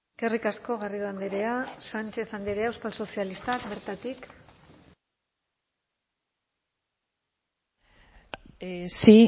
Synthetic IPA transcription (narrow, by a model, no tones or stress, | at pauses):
kerikasko̞ɣariðuand̪eɾeasant͡ʃe̞θand̪eɾeawspalso̞sialist̪akbe̞ɾt̪at̪ik | si